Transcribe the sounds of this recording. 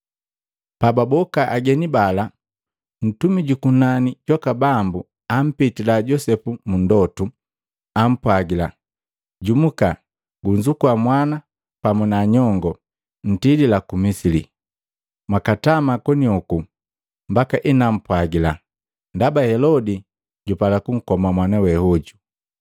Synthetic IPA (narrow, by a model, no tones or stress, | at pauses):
pababɔkaʔaɡɛnibala | n̩tumiɟukunaniɟwakabambu | am̩pitilaɟɔsɛpumundɔtu | am̩pwaɡila̰ | ɟumuka | ɡuɲd͡ʒukuamwana | pamunaɲɔŋɡɔ | n̩tililakumisilḭ | mwakatamakɔniɔku | mbakaʔinam̩pwaɡila | ndabahɛlɔdi | ɟupalakuŋ̩kɔmamwanawɛhɔɟu